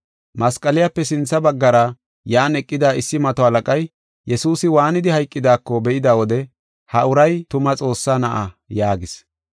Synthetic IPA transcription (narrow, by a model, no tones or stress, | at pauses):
mɐskʼɐlɪjapːɛsɪnt͡sːɐbɐɡːɐɾɐ | jaːnɛkʼːɪd̪aːɪsːɪmɐt̪ɔhɐlɐkʼɐj | jɛsuːsɪwaːnɪd̪ɪhɐjkʼːɪd̪aːkːɔbɛʔɪd̪awɔd̪ɛ | hɐʔʊɾɐjt̪ʊmɐt͡sʼo̞ːsːaːnɐʔɐ | jaːɡɪs